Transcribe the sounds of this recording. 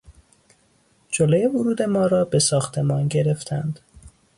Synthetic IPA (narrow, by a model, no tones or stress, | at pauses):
d͡ʒoloje̞vuɾuːd̪e̞mɒːɾɒːbe̞sɒːxt̪ʰe̞mɒːnɟe̞ɾe̞ft̪ʰænd̪̥